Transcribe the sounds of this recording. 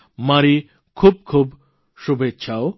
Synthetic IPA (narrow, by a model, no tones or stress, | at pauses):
maɾi | kʰub̚kʰub | ʃubetːʃʰao